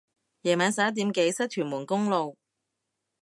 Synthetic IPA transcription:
jɛː˨˩maː˨˧nsaː˨˥t̪̬iː˨˧˥mke˨˧˥jsɐ˥t̚t̪ʰyː˨˩nmuː˨˩nkʊ˥ŋlo˨w

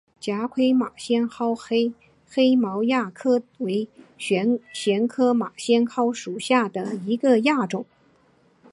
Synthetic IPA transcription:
t͡ɕja˧˥kʰwe˥ɪma˨˩ɕjɛ˥nxɑ˥ʊxe˥ɪ | xe˥ɪmɑ˧˥ʊja˥˩kʰɤ˥we˧˥ɪɕɛ˧˥ɕjɛ˧˥nkʰɤ˥ma˨˩ɕjɛ˥nkʰɑ˥ʊʂu˨˩ɕja˥˩d̪ə˩i˧˥ɡə˧ja˥˩ʈ͡ʂʊ˨˩˦ŋ

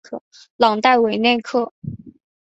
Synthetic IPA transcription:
kʰɤ˥˩ | lɑ˨˩ŋt̪a˥˩ɪwe˨˩ɪnjɛ˥˩nkʰɤ˥˩

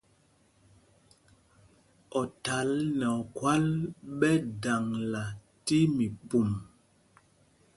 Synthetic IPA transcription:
ɔ˨ta˨˦lnɛ˨ɔ˨kwa˦lɓɛ˦da˨ŋla˨ | ti˦mi˨pu˨m

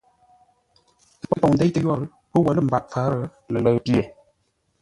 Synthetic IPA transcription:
tə˦pə˦pɔ˨ŋn̩˨dɛ˦jtə˨˦jɔ˦˨ɾ | pə˦wə˨lə˦˨m̩˨ba˨ʔfa˨˦ɾə˦ | lə˨lə˦pi˦e˨

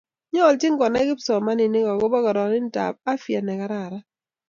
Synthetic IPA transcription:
ɲɔ˦ɔ˨ltɪ˦ŋkɔ˨na˦kɪ˦psɔ˨ma˦nɪ˨nɪ˦kɔ˨ɡo˦bɔ˦kɔ˨ɾɔ˨ɾɪ˦n˦ta̰˨p̚a˦fja˨nɛ˨ka˦ɾa˦˨ɾa˦

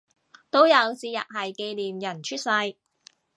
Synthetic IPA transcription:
t̪o˥wjɐ˨˧wt͡siː˧jɐ̰˨t̚hɐ˨jke˧jliː˨mjɐ˨˩nt͡ʃʰyː˥t̚sɐ˧j

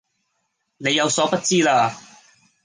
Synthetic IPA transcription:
ne˨˧jɐ˨˧wsɔː˨˥pɐ˥t̚t͡siː˥laː˧

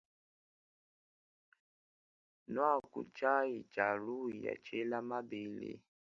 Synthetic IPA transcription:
nɔ˦a˦˨kṵ˨t͡ʃa˦i˨t͡ʃa˨lu˦˨ja̰˨t͡ʃe˦la˦ma˦be˨˦lḛ˨

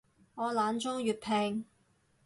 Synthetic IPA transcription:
ŋɔː˨˧laː˨˧nt͡sʊ˥ŋjyː˨t̚pʰɛː˨ŋ

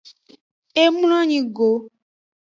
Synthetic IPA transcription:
e˦mu˦l̃ɔ̃˦ɲĩ˨ɡo˨˦

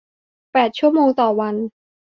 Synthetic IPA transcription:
pɛː˨˩t̪̚t͡ɕʰu˥˩əmoː˧ŋt̪ɔː˨˩wa˧n

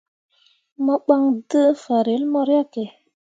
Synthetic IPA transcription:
mə˦ɓa˦ŋdə˦fa˨ɾe˨˦lmɔ˦ɾa˦ke˨

